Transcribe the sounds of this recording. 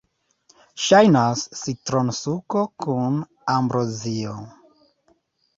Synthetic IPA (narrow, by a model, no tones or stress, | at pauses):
ʃajnasːitɾonsuko̞kʰun | ambɾozio